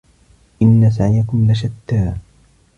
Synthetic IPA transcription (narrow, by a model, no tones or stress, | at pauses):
ʔɪnːas̬aʕɪjakʊmlaʃat̪ːaː